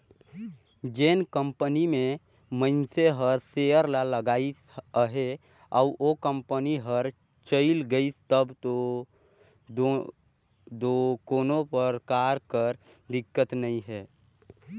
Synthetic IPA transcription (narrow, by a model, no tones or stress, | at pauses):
d͡ʒenkə̃mpənimẽ | mənseɦəɾseəɾlaləɡaːisəɦe | ɔʊʔokə̃mpəniɦəɾ | t͡ʃəɪlɡəist̪əbto | d̪okoːnõpəɾkaɾkəɾd̪ɪkːət̪nəĩɦɛː